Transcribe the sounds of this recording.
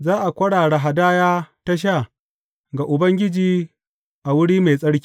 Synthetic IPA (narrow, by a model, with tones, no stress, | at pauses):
zaː˦ʔa˨kʷɐ˦ɽaː˨ɽe˨ɦa˨daː˦jaː˦ta˦ʃ̬aː˦˨ | ɡa˨ʔʊ˨bɐ˦ŋɡʲɪ˦d͡ʒiː˦ | ʔa˨wʊ˦ɽiː˦meː˨sʼɐ˦ɽkʲi̥ː˦